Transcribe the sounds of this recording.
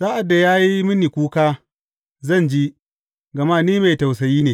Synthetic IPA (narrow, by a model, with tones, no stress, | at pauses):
saː˦ʔa˨dːa˨jaː˦ji˦mɪ˦ni˨kʷuː˦kaː˦ | zɐ˦˨nd͡ʒi˦ | ɡɐ˨ma˦niː˦ma˨jta˨wsɐ˨jiː˦neː˨